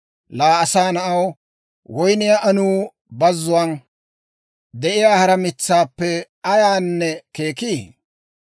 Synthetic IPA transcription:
laːɐsaːnɐʔɐw | wɔjnɪjaʔɐnuː | bɐzːʊwɐn | d̪ɛʔɪjaːhɐɾɐmɪt͡sːaːpːɛ | ɐjaːnːɛke̞ːkiː

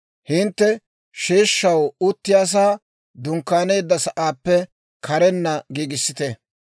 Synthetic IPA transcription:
hɪnt̪ːɛ | ʃeːʃːɐwʊt̪ːɪjaːs̬aː | d̪ʊŋkːaːne̞ːd̪ːɐsɐʔaːpːɛ | kʰɐɾɛnːɐɡiːɡɪsːɪt̪ɛ

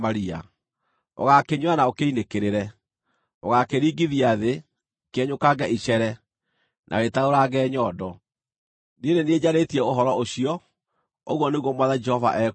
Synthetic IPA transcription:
maɾia̰ | o̰ɣakeɲwanaokeinekeɾeɾɛ | o̰ɣakeɾiːɡiðiaðe | keɛɲokaɡaʔiɕɛɾɛ | nʔa̰ɣetaoɾaɡɛːɲɔdɔ | ninenied͡ʑaɾetiɛoɦɔɾɔoɕiɔ | o̰ɣwɔneɣwɔmwaðad͡ʒɛhɔva̰ʔɛ

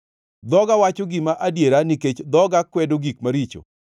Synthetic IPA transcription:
d̪ɔɡawat͡ʃoɡɪmaʔadjeɾaniket͡ʃd̪ɔɡakwɛdoɡikmaɾit͡ʃo̰

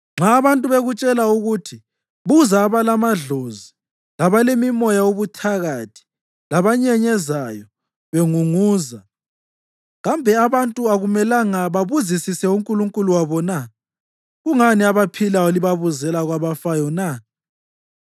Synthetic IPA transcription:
ŋ͡ǁaːβantʼuβeɣut͡ʃʼɛlauɣutʰi | βuzaːβalamaɮozi | laβalemimɔjauβutʰaɣatʰi̥ | laβaɲɛɲɛzajɔ | βeŋuŋuːza | ɣambʱɛaβantʼuaɣumɛlaŋaβaβuzisisɛuŋkʼuluŋkʼuluwaβɔna | ɣuŋaniaβapʰilaoliβaβuzɛlaɣwaβafajɔna

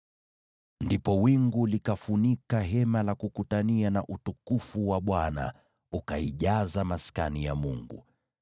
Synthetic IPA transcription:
ndipɔwiŋɡulikafunikaɦɛmalakukutanianaʔutukufuwaɓwana̰ | ukaiʄazamaska̰nijamuŋɡṵ

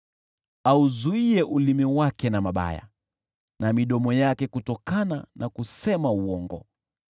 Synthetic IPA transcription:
auzuiɛʔulimiwakɛnamaɓa̰ja̰ | namiɗɔmɔjakɛkutɔkananʔakusɛmauɔŋɡɔ

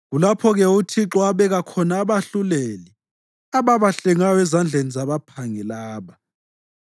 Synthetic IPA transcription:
ɣulapʰɔɣɛutʰiǁɔaβɛɣakʰɔnaːβaɬuleli | aβaβaɬɛŋajɔɛzand͡ɮʱenizaβapʰaŋɛlaːβa

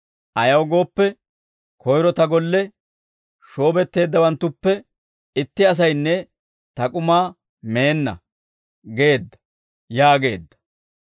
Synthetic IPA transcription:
ʔɐjɐwɡo̞ːpːɛ | kʰɔjɾɔt̪ɐɡɔlːɛ | ʃo̞ːbɛt̪ːe̞ːd̪ːɐwɐnt̪ːʊpːɛ | ɪt̪ːɪɐs̬ɐjnːɛ | t̪ɐkʼʊmaː | me̞ːnːɐ̰ | ɡe̞ːd̪ːɐ̥ | jaːɡe̞ːd̪ːɐ̥

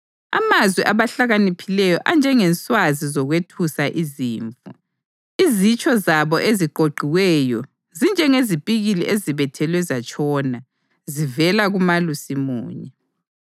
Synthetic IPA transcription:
a̰mazwiʔaβaɬaɣanipʰilɛjɔʔand͡ʒʱɛŋɛnsʼwazizɔɣwetʰusaʔiziːɱfṵ | izit͡ʃʼɔzaβɔʔeziǃʱoɡ͡ǃʱiwɛjɔ | zind͡ʒʱɛŋezipʼiɣiliʔeziβɛtʰɛlwɛzat͡ʃʼʰɔːna | zivɛlaɣumalusimṵːɲɛ

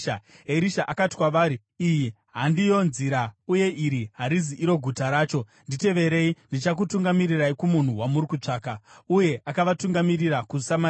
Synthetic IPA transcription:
aeɾiʃaʔakati̥kwaʋaːɾi | iji | ɦandijo̞nziɾauje̞ʔiɾiɦaɾiziʔiɾo̞ɡʱutaɾaːt͡ʃo̞ | ndite̞ʋe̞ɾe̞indit͡ʃak̬utuŋɡamiriraikumun̤uwamuɾikut͡ʂaːkauje̞ʔakaʋatuŋɡamiriɾakusama

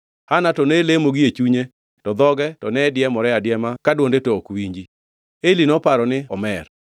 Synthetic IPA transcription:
hanatɔnelemoɡiet͡ʃuɲe | tɔd̪ɔɡɛtɔnɛdjɛmɔɾɛadjɛmakadwondetoːkwiɲd͡ʒi | elinɔpaɾɔnɪɔmɛr

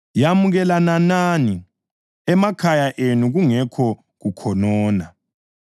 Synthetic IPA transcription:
jamuɣɛlananani | ɛmakʰajaʔenuɣuŋɛkʰɔ | ɣukʰɔnɔːna

